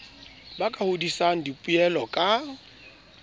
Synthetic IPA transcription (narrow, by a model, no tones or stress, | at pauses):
bakʼahʊdisaŋ̩dipʼuɛlɔkʼa